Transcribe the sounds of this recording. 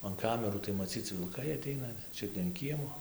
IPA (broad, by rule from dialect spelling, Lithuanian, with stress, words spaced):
ɐn ˈkɑːmʲɛruː tɐɪ mɐˈt͡sʲiːt͡s ʋʲɪlˠˈkɐɪ ɐˈtʲɛɪnɐ ˈt͡ʃʲʊt nʲɛ ɐn ˈkʲiɛmoː